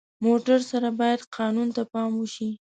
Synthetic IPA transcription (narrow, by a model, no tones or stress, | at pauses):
moʈaɾsaɾabɑjad̪qʰɑnunt̪apɑmwəʃi